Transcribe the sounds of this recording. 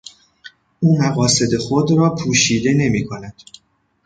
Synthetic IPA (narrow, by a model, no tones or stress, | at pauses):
ʔuːmæɣɒːse̞d̪e̞xo̞d̪ɾɒːpʰuːʃiːd̪e̞ne̞miːkʰo̞næd̪̥